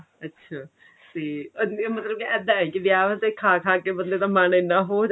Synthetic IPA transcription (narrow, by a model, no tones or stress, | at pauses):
ətːʃʰaː | seːmət̪ləb̚kiɛːd̪ãːɛ̃kiʋɪjaːʋəsekʰaːkʰaːkeːbənd̪eːt̪ãːmaːnɪnːãːɦoːd͡ʒ